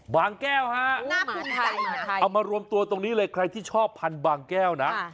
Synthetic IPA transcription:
baː˧ŋkɛː˥˩wha˦˥ʔu˧a˧ʔa˧wmaː˧ɾu˧əmt̪u˧ɐt̪o˧ŋniː˦˥lɤː˧jkʰɾa˧jt̪ʰiː˥˩t͡ɕʰɔː˥˩pʰːa˧nbaː˧ŋkɛː˥˩wna˦˥

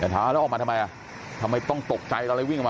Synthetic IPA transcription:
a˧˨˩t̪ʰaː˨˦˧ɛ˦˥ʔɔː˨˩ma˧a˧ma˧jʔa˨˩ | t̪ʰa˧ma˧jt̪ɔ˥˩ŋt̪o˨˩k̚t͡ɕa˧jʔlla˧˦wi˥˩ŋkʰma˧

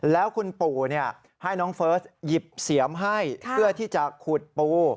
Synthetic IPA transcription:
lɛː˦˥wkʰu˧npuː˨˩ni˥˩ɐ | ha˥˩jnɔː˦˥ŋfɤː˦˥sji˨˩p̚si˨˩˦əmɦa˥˩jpʰɯ˥˩ət̪ʰiː˥˩t͡ɕa˨˩kʰuː˨˩t̪̚puː˧

